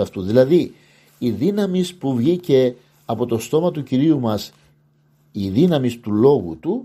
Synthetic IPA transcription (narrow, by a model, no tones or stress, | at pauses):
ɐft̪uðilɐði | iðinɐmispuvʝice̞ | ɐpo̞t̪o̞st̪o̞mɐt̪uciɾiumɐs | iðinɐmist̪ulo̞ɣut̪u